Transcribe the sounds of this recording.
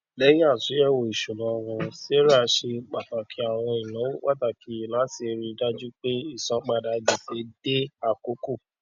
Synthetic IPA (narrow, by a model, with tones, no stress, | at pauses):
lɛ˦j̃ĩ˦a˦˨su˨˦ɛ˦˨wo˨i˨ʃu˨lɔ̃˨˧wɔ̃˧se˦ɾa˦˨˧ʃe˧k͡pa˨ta˨kʰi˨˦a˦˨w̃ɔ̃˧i˨jã˨˦wwa˦ta˧˨kʰi˨˦˨la˨˦si˧ɾi˧da˦d͡ʒu˦k͡pe˦i˦˨sɔ̃˨˦k͡pa˧da˨˦˧d͡ʒi˨se˨˦de˦a˦˨ko˨˦ku˦˨